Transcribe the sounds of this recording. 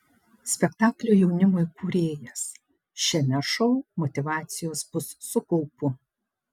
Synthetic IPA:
sʲpʲɛkt̪ɑːklʲoːjɛʊnʲɪmoːjkuːɾʲeːjɛs | ʃʲɛmʲɛʃɔʊmɔt̪ʲɪʋɑːt̪sʲɪjoːsbʊsːʊkɔʊpʊ

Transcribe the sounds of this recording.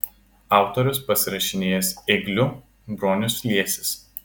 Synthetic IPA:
ɑˑʊt̪ɔɾʲʊspɐsʲɪɾɐʃʲɪnʲeːjɛsɛɡlʲʊ | bɾoːnʲʊslʲiɛsʲɪs

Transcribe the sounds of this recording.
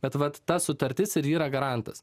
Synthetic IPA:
bʲɛt̪ʋɐt̪tɐsʊt̪ɐɾʲt̪ʲɪsɪɾiːɾɐɡɐɾɐnt̪ɐs

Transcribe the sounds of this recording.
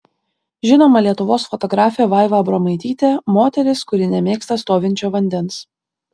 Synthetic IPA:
ʒʲɪnoːmɐlʲiɛt̪ʊʋoːsfɔt̪ɔɡɾɑːfʲeːʋɑɪʋɐbɾomɐɪt̪ʲiːt̪ʲeːmoːt̪ʲɛɾʲɪskʊɾʲɪnʲɛmʲeːkst̪ɐst̪oːʋʲɪnʲt͡ʃʲoːʋɐnʲd̪ʲɛns

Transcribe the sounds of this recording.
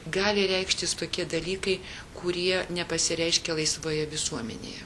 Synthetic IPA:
ɡɑːlʲɪɾʲɛɪkʃʲt̪ʲɪst̪oːkʲiɛd̪ɐlʲiːkɐɪ | kʊɾʲiɛnʲɛpɐsʲɪɾʲɛɪʃʲkʲɛlˠɐɪsʋoːjɛʋʲɪsuɔmʲɛ̰nʲḛːjɛ̰

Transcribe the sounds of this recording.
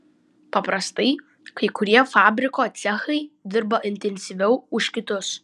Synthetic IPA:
pɐpɾɐst̪ɐɪ | kɐɪkʊɾʲiɛfɑːbʲɾʲɪkoːt̪sʲɛxɐɪd̪ʲɪɾbɐʔɪnʲt̪ʲɛnʲsʲiʋʲɛʊʊʃʲkʲɪt̪ʊs

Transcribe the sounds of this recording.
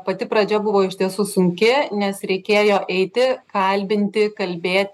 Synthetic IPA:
pɐt̪ʲɪpɾɐd͡ʒʲɛbʊʋoːɪʃʲt̪ʲiɛsuːsʊŋʲkʲɪnʲɛsɾʲɛɪkʲeːjoːʔɛɪt̪ʲɪkɐlʲbʲɪnʲt̪ʲɪkɐlʲbʲeːt̪ʲ

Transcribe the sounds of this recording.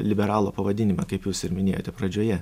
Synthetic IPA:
lʲɪbʲɛɾɑːlˠoːpɐʋɐd̪ʲɪnʲɪmɐkɐɪpjuːsɪɾmʲɪnʲeːjoːt̪ʲɛpɾɐd͡ʒʲoːjɛ

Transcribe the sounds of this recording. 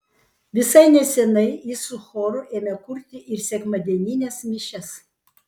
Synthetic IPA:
ʋʲɪsɐɪnʲɛsʲɛnɐɪisʊxoːɾʊʔeːmʲɛkʊɾʲt̪ʲɪʔɪɾsʲɛkmɐd̪ʲɛnʲinʲɛsmʲɪʃʲɛs

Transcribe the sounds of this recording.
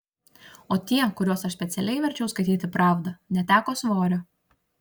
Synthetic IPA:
oːt̪ʲiɛkʊɾʲuɔsɐʃsʲpʲɛt̪sʲɛlʲɛɪʋʲɛɾʲt͡ʃʲɛʊskɐɪt̪ʲiːt̪ʲɪpɾɑːʋd̪ɐnʲɛt̪ʲæːkoːsʋoːɾʲo

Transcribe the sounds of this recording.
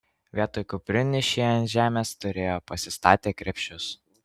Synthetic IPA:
ʋʲiɛt̪oːjkʊpʲɾʲʊnʲɪʃʲiɐnt̪ʲʒʲæːmʲeːst̪ʊɾʲeːjoːpɐsʲɪst̪ɑːt̪ʲeːkɾʲɛpʲʃʲt͡ʃʲʊs

